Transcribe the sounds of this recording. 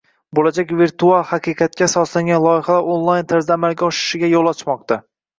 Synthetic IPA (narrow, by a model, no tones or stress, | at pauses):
bolad͡ʒakʲviɾt̪ʰualˠhaqɨqʰɑt̪̚kʲʰasɒslaŋɡʲanlˠɒjɪhalaɾonlˠajnt̪ʰaɾzd̪aːmalɡʲaɒʃɪ̥ʃɪɡʲajolˠɒt͡ʃʰmɒq̚t̪a